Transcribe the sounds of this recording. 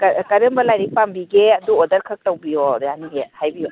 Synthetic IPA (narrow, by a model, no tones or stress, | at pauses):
kɐkɐɾɯmbɐlajɾipʰambiɡeɐduodɐɾkʰɐk̚tɐwbijodjaniɡehajbijɔ